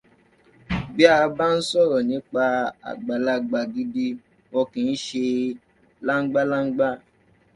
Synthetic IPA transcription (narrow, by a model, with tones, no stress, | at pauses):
bi˦a˦˨˧ba˦n̩˦sɔ˦˨ɾɔ˨nĩ˨˦k͡pa˧a̰˨ɡ͡ba˨la˧ɡ͡ba˨ɡi˦di˦ | wɔ˧kĩ˨˧n̩˦ʃe˧ | la˦ŋ͡m̩˦ɡ͡ba˦la˦ŋ̩˦ɡ͡ba˦